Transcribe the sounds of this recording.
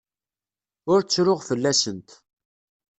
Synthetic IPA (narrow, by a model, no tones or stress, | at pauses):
ʊɾt͡sːɾʊʁfəlːæsənt̪